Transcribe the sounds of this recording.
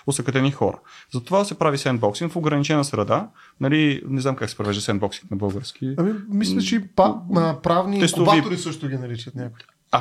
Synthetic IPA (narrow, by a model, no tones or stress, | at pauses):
ʊt̪sɐkɐd̪ɛnixɔɾə̰zɐt̪ovasɛpɾavisɛnd̪bɔksiŋkfoɡɾɐnit͡ʃɛnəsɾɐd̪a | nɐlinɛznamkaksɛ̥pɾovɛʒd̪əsɛnd̪bɔksi̥ŋknɐbɤlˠɡəɾsk̟iɐmimislɐt͡ʃɛipapɾavniɛstk̪obavioɾisɤʃt̪ʊɡʲinɐɾit͡ʃət̪nʲakʊj | a